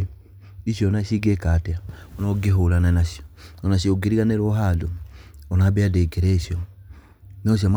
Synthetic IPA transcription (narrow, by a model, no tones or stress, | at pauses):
isjɔnaʃiɡekatɛaɔnɔɡeɦoɾananaʃiɔɔnaʃioɡeɾiɣanɛɾoɦaduɔnabeadekɛɾɛʃjɔ | nɔʃ̬iam